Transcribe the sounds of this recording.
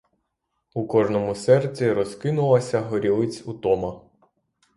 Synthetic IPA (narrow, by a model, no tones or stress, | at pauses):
ukɔʒnɔmʊsɛrt͡sʲiɾɔskɪnʊlˠɐsʲɐɦɔɾʲilˠɪt͡sʲut̪ɔmɐ